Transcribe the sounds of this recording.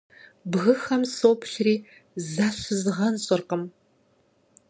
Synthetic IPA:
bɣɨxɐmsoːpʰɬriː | zɐɕɪzʁɐnɕʼɪrqəm

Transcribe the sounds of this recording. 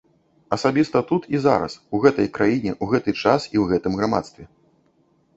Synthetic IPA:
ɐsabʲist̪ɐt̪ut̪iza̰ɾɐ̰suɣɛt̪ɐjkɾajinʲɛʔuɣɛt̪ɨt͡ʂasiwɣɛt̪ɨmɣɾama̰t̪st̪vʲɛ

